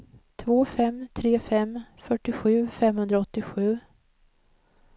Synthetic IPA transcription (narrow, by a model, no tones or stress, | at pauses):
t̪ʰvoːfɛmt̪ʰɾeːfɛmfœʈːɪɧʉ̟ːfɛmhɵnd̪ɾaɔt̪ːɪɧʉ̟ː